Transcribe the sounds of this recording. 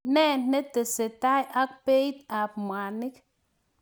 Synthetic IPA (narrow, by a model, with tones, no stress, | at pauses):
nɛ˦˨ne˦t̪ə˨se˨ta˦jʔa˦k̚pe˦i˦t̪a˨p̚mʷa˨ni˦k